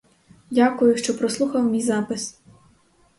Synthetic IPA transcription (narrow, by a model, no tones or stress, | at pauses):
dʲakʊjʊʃt͡ʃɔpɾɔslˠuxɐwmʲijzɑpɪs